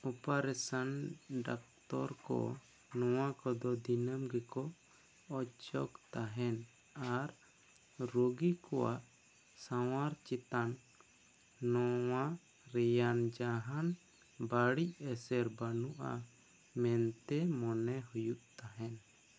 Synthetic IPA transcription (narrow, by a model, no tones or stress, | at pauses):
ɔpaɾɛsanɖak̚t̪ɔɾkɔ̰ | nɔw̃akɔd̪ɔd̪inəmɡɛkɔː | t͡ʃɔkt̪aɦɛn | aɾ | ɾoɡikɔwa̰ʔ | sawaɾt͡ʃit̪an | ɔwa | ɾɛjand͡ʒaɦan | baɽic̚ɛsɛɾbanuʔa̰ | mɛnt̪ɛmɔnɛhujuʔt̪aɦɛn